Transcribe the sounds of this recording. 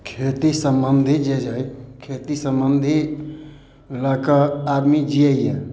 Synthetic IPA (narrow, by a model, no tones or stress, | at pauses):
kʰet̪isəmbənd̪ʱid͡ʒed͡ʒaikʰeːt̪isəmbənd̪ʱi | lakaaːɾmid͡ʒiəjja